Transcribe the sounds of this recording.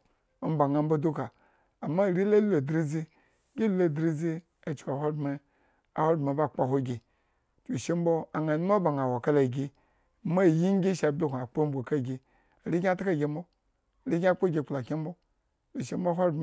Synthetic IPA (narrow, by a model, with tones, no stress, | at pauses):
m̩˦ba˨ŋa˨m̩˦bo˦du˦kaː˨ | ma˦˨ɾi˦la˦lo˨dɾi˦zi˦ | ɡʲi˦lo˨dɾi˦zi˦ | a˨t͡ʃka˨ɦʷo˦dme˧ | a̰˨ho˦dma˨ba˦˨k͡pa˨ɦʷo˦ɡʲe˨ | t͡ʃu˨ʃe˦m̩˦bo˦a˨ŋa˨nu˦m˦a˦ba˨ŋa˨wo˨ka˦la˨ɡʲi˧ | ma˦˨ji˦ŋ˦ɡʲi˦ʃa˨bʲe˦kʷu˨a˨k͡po˦m̩˦bʷo˨ka˦˨ɡʲi˨ | ɾi˦ɡʲa˦ta˦ka˦˨ɡʲe˧m̩˦bo˦˨ | ɾi˦ɡʲa˦k͡po˦ɡʲe˧˨k͡pla˨kʲi˦m̩˦bo˦ | t͡ʃu˨ʃe˦m˦bo˦ɦo˦